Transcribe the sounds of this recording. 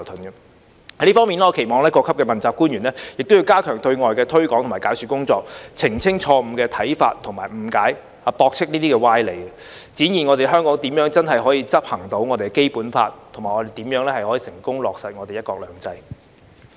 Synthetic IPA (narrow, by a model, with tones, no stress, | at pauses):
t̪ʰʊ˨˩nɡɐ˧ | ha˧˦li˥fɔː˥miː˨nlɛ˥ɔ˧kʰe˨˩mɔː˨˧ŋlɛː˥kɔː˧kʰːɐ˥p̚kɛː˧mɐ˨nt͡saː˧p̚kuː˥nɥyː˨˩nlɛː˥jɪ˨k̚t̪o˥wji˧wkaː˥kʰœː˨˩ŋt̪ɵ˧ɥŋɔː˨jkɛː˧t̪ʰɵ˥ɥkɔː˨˥t̪ʰaː˨˩kaː˨˥jsy˨t̚kʊ˥ŋt͡sɔː˧k̚t͡sʰɪ˨˩ŋt͡sʰɪ˥ŋt͡ʃʰɔː˧m̩˨˧kɛː˧t̪ʰɐ˨˥jfaː˧t̚t̪ʰːʊ˨˩ŋmaː˨˩jm̩˨˩kaː˨˥j | a˨˦pɔː˧k̚t͡sʰɪ˥k̚niː˥t̪i˥kɛː˧waː˥jle˨˩jɐ˨ | t͡siː˨˥njiː˨nŋɔː˨˧t̪e˨˩ɦœː˥ŋkɔː˨˥ŋt̪iː˨˥mjœː˨˥ŋt͡sɐ˥nɦɐ˨jɦɔː˨˥jiː˧t͡sɐ˥p̚hɐ˨˩ŋt̪o˨˥wŋɔː˨˧t̪e˨ɛ˧ke˥jpuː˨˥nfaː˧t̚t̪ʰʊ˨˩ŋmaː˨˩ŋɔ˨˧e˨jt̪i˨˥mjœː˨˥ŋlɛː˥hɐ˨jhɔː˨˥jiː˨˧sɪ˨˩ŋkʊ˥ŋlɔː˨k̚sɐ˨t̚ŋɔː˨˧e˨jɐ˥t̚kɔː˧k̚lœː˨˩ŋt͡sɐ˧j